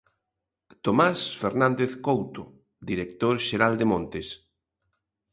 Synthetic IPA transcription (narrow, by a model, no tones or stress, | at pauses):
t̪omasfeɾnãnd̪eθkowt̪o | d̪iɾek̚t̪oɾʃeɾald̪emõnt̪es